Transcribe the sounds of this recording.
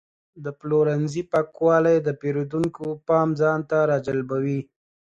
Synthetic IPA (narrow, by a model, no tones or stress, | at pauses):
d̪əploɾanzipakwɑlajd̪əpeɾod̪uŋkopɑmzɑnt̪aɾɑd͡ʒalbawi